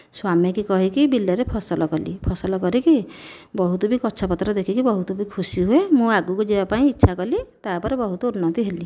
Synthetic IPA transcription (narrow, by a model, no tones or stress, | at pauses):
swamjɔkikɔɦikibilːɔɾepʰɔsɔlɔkɔlḭpʰɔsɔlɔkɔɾikibɔɦut̪ɔbikɔt͡ʃʰɔpɔt̪ːɾɔd̪ekʰikibɔɦut̪ɔbikʰusiɦuemũaɡukud͡ʒebapaĩitːʃʰakɔlit̪apɔɾebɔɦut̪ɔunːɔt̪iɦeli